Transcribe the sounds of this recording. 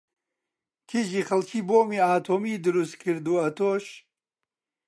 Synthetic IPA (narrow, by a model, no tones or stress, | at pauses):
kʰiʒixɐlkʰiːboːmiaːt̪ʰoːmiːd̪ɨɾust̪kʰɨɾd̪uːɐt̪ʰoʃ